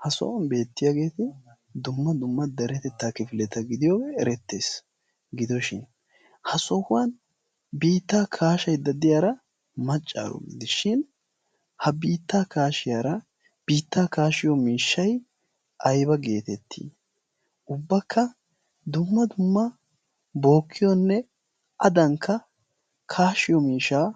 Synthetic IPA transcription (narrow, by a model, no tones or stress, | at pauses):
hɐsɔ̰ʔɔnbe̞ːt̪ːɪjaːɡe̞ːt̪ɪ | d̪ʊmːɐd̪ʊmːɐd̪ɐɾɛt̪ɛt̪ːaːkɪfɪlɛt̪ːɐɡɪd̪ɪjoːwɛɛɾɛt̪ːeːs | ɡɪd̪ɔʃɪn | hɐsɔhʊwɐn | biːt̪ːaːkʰaːʃɐjd̪ɐd̪ɪjaːɾɐ | mɐt͡ʃʼːa̰ːɾɔ̰ɡḭd̪ɪʃɪn | hɐbiːt̪ːaːkaːʃɪjaːɾɐ | b̥iːt̪ːaːkaːʃɪjɔmiːʃːɐj | ʔɐjbɐɡe̞ːt̪ɛt̪ʰːḭː | ʔʊbːɐkʰːɐ | d̪ʊmːɐd̪ʊmːɐ | bo̞ːkʰːɪjɔnːɛ | ʔɐd̪ɐŋkʰːɐ | kʰaːʃɪjɔmiːʃːaː